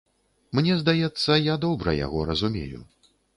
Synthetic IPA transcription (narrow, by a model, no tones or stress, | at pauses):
mnʲɛzd̪ajɛt̪sːɐjad̪ɔbɾɐ̰ja̰ɣɔɾɐzumʲḛjṵ